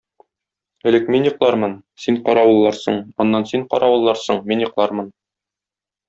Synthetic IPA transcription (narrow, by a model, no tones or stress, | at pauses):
ɘ̆lɘkminjŏqlˠɑɾmɤnsiɴqɒɾɑwɤ̆lˠːɑɾsɤ̰ɴɒ̆nːɑnsiɴqɒ̰ɾʔɑwɤ̆lˠːɑɾsɤɴminjŏqlˠɑɾmɤn